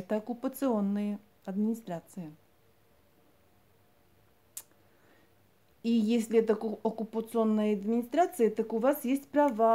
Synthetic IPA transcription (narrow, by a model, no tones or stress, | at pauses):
t̪əɐkʊpət̪sɨonːɨjə | ɐd̪mʲɪnʲɪst̪ɾat̪sɨjə | ijesʲlʲɪɛt̪əɐkʊpət̪sɨo̞nːɨjəɐd̪mʲɪnʲɪst̪ɾat̪sɨjət̪əkʊvasjesʲtʲpɾɐva